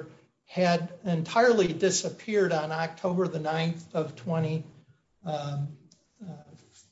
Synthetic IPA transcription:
ɨɾɨ̃ntʰaɪə˞lˠidɪsɨpʰɪɹɾn̩ɑk̚tʰoʊbə˞ðɨnãɪ̃nθʌv̥tʰw̥ɛ̃ɾ̃i

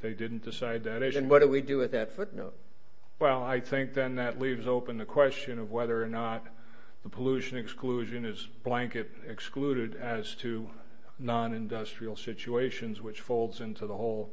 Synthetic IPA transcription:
ðeɪdɪdⁿn̩d̥ɨsaɪd̪̚ðɨɾɪʃnwʌt̚dɨwidɨɨðɨtfʊtⁿno̰ʊt̚ | wɛlˠaɪθɪ̃ŋk̚ðɨ̃nðɨtˡlivzoʊpɨ̃nðɨkʰw̥ɛst͡ʃɨ̃nʌvwɛðə˞ːnət̪̚ | ðəpʰəluʃɨ̃nɨkskluʒɨ̃nɪz | b̥læ̃ŋkɨɾ | ɨkskluɾɪɾɨz̥tʰɨ | nɑ̃nɨ̃ndʌstɹ̥il̩ˠsɪt͡ʃueɪʃɨ̃nzwɨt͡ʃfoʊlˠdzɪ̃ntʰuðəhoʊlˠ

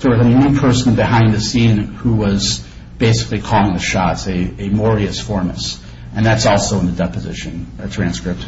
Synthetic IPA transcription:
ðə˞ðɨnʉpʰɜ˞sn̩bɨhãɪ̃nðɨsĩnhuwʌz | b̥eɪsɨ̥klikʰɔlˠɪ̃ŋðɨʃɑtsɨɨmɔɹiɨsfɔɹmɨ̰s | ʔɨ̃nðætsɔlˠsoʊə̃nðɨdɛpɨzɪ̰ʃɨ̃nətʰɹ̥æ̃nskɹɪp̚t̚

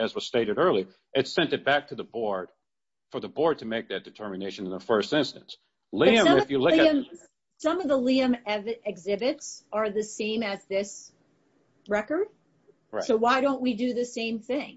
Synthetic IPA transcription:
ɨzwʌz̥steɪɾɨɾɜ˞lˠi | ʔɨtsɛ̃ntɨt̚b̥æk̚tʰɨðəbɔɹd̥ | fə˞ðəbɔɹd̚tʰɨmeɪk̚ðɨt̚d̥ɨtʰɜ˞mɨneɪʃɨ̃ñn̩ðəfɜ˞stɪ̃nstɨ̃ns | liɨ̃mɨfjɨlʊkɨ̃m | sʌ̃mʌvðəliɨ̃mɛvɨɪɡzɪbɨtsə˞ðɨsẽɪ̃mɨzðɪs | ɹɛkə˞d̥̚ | soʊwaɪɾõʊ̃nʔ̚widɨðɨsẽɪ̃mθɪ̃ŋ

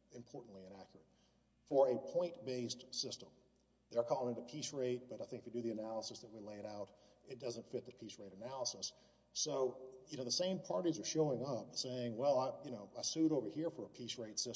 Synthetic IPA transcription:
ɨ̃mpʰɔɹʔn̩ʔliɨ̃nækʰjə˞ɨt̚ | fə˞ɨpʰɔ̃ɪ̃ntb̥eɪstsɪstə̃m | ðə˞kʰɔlˠɪ̃ŋɪ̃tɨpʰisɹeɪt̚b̥ʌɾaɪθɪ̃ŋkɪ̥fidɨðiɨnælˠəsəsðɨt̚wileɪɾaʊɾɨt̚d̥ʌzə̃ntfɪt̪̚ðɨpʰisɹeɪɾɨnælˠəsəs | soʊjɨnoʊðəsẽɪ̃mpʰɑɹɾizə˞ʃoʊɪ̃ŋʌp̚seɪɪ̃ŋwɛlˠaɪjɨñoʊaɪsʉɾoʊvə˞hiɹfə˞əpʰisɹeɪtsɪ

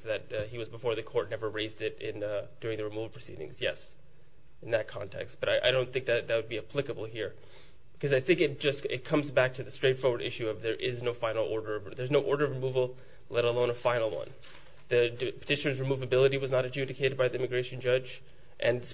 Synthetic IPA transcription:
ðɨt̚hiwʌzbəfɔɹðɨkʰɔɹtⁿnɛvə˞ɹeɪzdɪɾɪ̃nd̥ʊɹɪ̃ŋðɨɹɨmuvl̩ˠpʰɹ̥ɨsḭɾɪ̰̃ŋz̥jɛ̰s | nðɨt̚kʰɑ̰̃ntʰɛ̰kstb̥ʌɾaɪʔa̰ɪɾõʊ̃nθɪ̃ŋk̚ðɨt̪̚ðɨt̚wɨd̚biɨpʰl̥ɪkəbl̩ˠɦiɹ | b̥ɨkʰʌzaɪθɪ̃ŋkɨt̚d̥ʒ̥ʌsɪt̚kʰʌ̃mzbæk̚tʰɨðɨstɹ̥eɪtfɔɹwə˞ɾʔɪ̰ʃʉʌvðə˞ʔɪznoʊfãɪnl̩ˠɔɹɾə˞ʌvðə˞znoʊʔɔɹɾə˞ʌvɹɨmuvl̩ˠ | lɛɾəlˠõʊ̃nəfãɪ̃nl̩ˠwʌ̰̃n | ðɨpʰə̥tʰɪʃɨnə˞zɹɨmuvɨbɪlˠəɾiwʌznəɾɨd͡ʒʉndɨkʰeɪɾɨd̚baɪðiɪ̃mɨɡɹeɪʃɨ̃n̩d͡ʒʌd͡ʒ | ʔɨ̃n

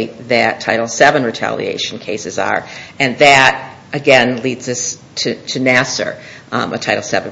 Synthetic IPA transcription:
ɪt̪̚ðɨtʰaɪɾl̩ˠsɛvɨ̃nɹɨtʰæ̰lˠḭḛɪʃn̩kʰeɪsɨzə̰˞ɨ̃nðɨɾ | ɨɡɛ̃nlidzʌstʰɨtʰɨnæsə̰˞ətʰaɪɾl̩ˠsɛṽn

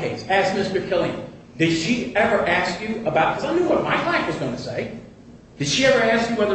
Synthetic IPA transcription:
eɪsæzmɪstə˞kʰɪlˠiɨ̰̃n | dɨd̥ʃiɛvə˞ʔæskjɨəbaʊt̚kʰʌzaɪnuwʌt̚maɪlaɪfwʌzɡoʊɪ̃tʰɨseɪ | d̥ɨd̥ʃiɛvə˞æskjɨwɛðə

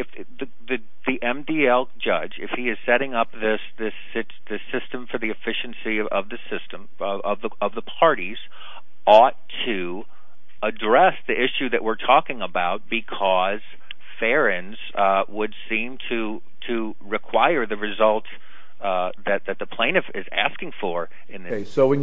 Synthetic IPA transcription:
ɨf | ðɨ | ðɨ | ðiʔɛ̃mdiɛlˠd͡ʒʌd͡ʒɨ̰fhiɨz̥sɛɾɪ̃ŋʌp̚ðɪsðɪs | ɪ | ðɨsɪstɨ̃ɱfə˞ðiɨfɪʃɨ̃n̩siʌvðɨsɪstə̃m | ʌvðəʌvðəpʰɑɹɾiz̥ | ɔtʰɨ | ədɹɛsðiʔɪʃʉðɨʔ̚wɪɹtʰɔkɪ̃ŋəbaʊt̚b̥ɨkʰɔz̥ | fɛɹɨ̃nz̥wəd̥sĩmtʰɨ | ɾʰɨ | ɹɨkʰw̥aɪə˞ðɨɹɨzʌlˠts | ðɨt̪̚ðɨt̪̚ðɨpʰl̥ẽɪ̃nɨfɪzæ̰skɪ̃ŋfə˞ | ɨ̃nðɪsoʊɨ̃n

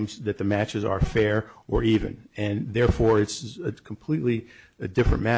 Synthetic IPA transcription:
mzðɨt̪̚ðɨmæt͡ʃɨzə̰˞fɛɹə˞ivɨ̰̃nɨ̃nðɛɹfɔɹɨtsɨkʰm̩pʰl̥itˡliɨdɪfɹɨ̃nmæ

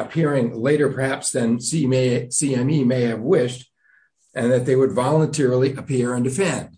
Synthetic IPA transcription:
əpʰɪɹɪ̃ŋleɪɾə˞pʰə˞hæpsðɨ̃nsisiɛ̃mimeɪɨvwɪʃt | ɨ̃nðɨt̪̚ðeɪwədvɑlˠə̃ntʰɛɹl̩ˠiʔɨpʰɪɹɨ̃ndɨfɛ̃nd̥

